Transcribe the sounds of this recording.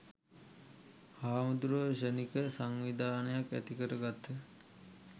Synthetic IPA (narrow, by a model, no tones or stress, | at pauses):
haːmud̪uɾəʋʃənikəsaŋʋid̪ʱaːnəjakæ̰t̪ikəɾəɡat̪ʰːə